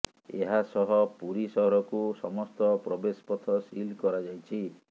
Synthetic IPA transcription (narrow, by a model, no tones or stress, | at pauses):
ḛɦasɔɦɔpuɾisɔɦɾɔkusɔmɔst̪ɔpɾɔbespɔt̪ʰɔsilkɔɾad͡ʒajt͡ʃʰi